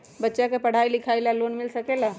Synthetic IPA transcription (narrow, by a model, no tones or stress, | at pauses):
bətːʃakepəɽ̤ajlikʰajlalonmilsəkela